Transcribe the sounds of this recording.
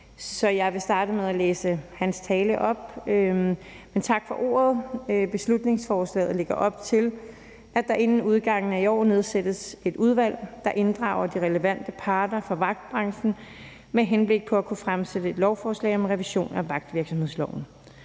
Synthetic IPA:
sɒ̽jɑ̈ɪʋe̝sd̥ɑ̈ːɾəmeðˠæleːsəhænst͡sʰɛːləʔɒ̽b̥ø | ment͡sʰɑ̈ɡ̥fɒ̽ʔo̝̰ːɐð̞ˠb̥e̝slud̥ne̝ŋsfɒːslɛ̰ːð̩ˠleɡ̥ɐʔɒ̽b̥̚t͡sʰe̝l | ʔæd̥ɑ̈ʔe̝nn̩uð̞ˠɡ̥ɑ̈ŋ̰n̩æiɒ̰ːne̝ð̞ˠsed̥əse̝d̥uð̞ˠʋæl̰d̥ɑ̈ʔe̝nd̥ʁɑ̈ʊɐd̥iʁɛləʋæn̰d̥əpʰɑ̈ːd̥ɐfɑ̈ʋɑ̈ɡ̥̚d̥̚b̥ʁɑ̈ŋɕn̩ | meɦenb̥le̝ɡ̥̚pʰɒ̽ækʰufʁamsed̥əe̝d̥lɒʊfɒːslɛ̰ɪɒ̽mʁɛʋiɕo̝̰ːnæʋɑ̈ɡ̥̚d̥ʋiɐɡ̥sɒ̽mhe̝ð̞̰ˠslɒʊ̰n̩

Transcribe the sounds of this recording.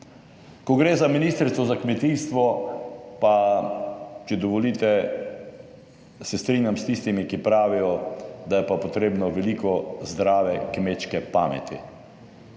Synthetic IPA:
kɔɡɾeːzaminiːst̪əɾst̪ʋɔzakmɛt̪iːst̪ʋɔpa | t͡ʃɛd̪ɔʋɔliːt̪ɛ | sɛst̪ɾiːnjamst̪ist̪imikipɾaːʋijɔd̪ajɛpapɔt̪ɾeːbnɔʋɛlikɔzd̪ɾaːʋɛkmet͡ʃkɛpa̰ːmɛ̰t̪ḭ

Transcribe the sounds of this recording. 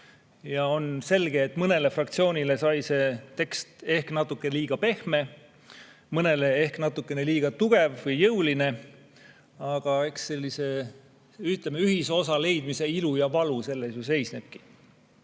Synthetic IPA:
jɑo̞nse̞lɡ̥eːt̪ːˑmɤne̞le̞frɑkt̪sio̞ːnʲile̞sɑjse̞t̪e̞kst̪e̞hknɑt̪ːˑukːˑeliːɡ̥ɑpe̞hme̞ | mɤne̞le̞e̞hknɑt̪ːˑukːˑe̞ne̞liːɡ̥ɑt̪uɡ̥e̞vvɤjːɤwline̞ | ɑɡ̥ɑe̞kse̞lːise̞ | yht̪ˑlemeyɦiso̞sɑle̞jd̪̥mise̞ilujɑvɑluse̞lːesjuse̞jsne̞b̥̚ki̥

